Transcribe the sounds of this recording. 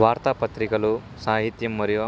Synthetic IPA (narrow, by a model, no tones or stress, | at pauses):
ʋaːɾt̪aːpɐt̪ɾikɐlu | saːɦit̪jɐmːɐɾiʋɐ